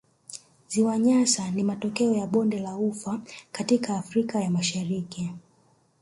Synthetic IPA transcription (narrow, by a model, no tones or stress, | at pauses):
ziwaɲasanimatɔkɛɔjaɓɔndɛlaufakatikaːfɾikajamaʃaɾiki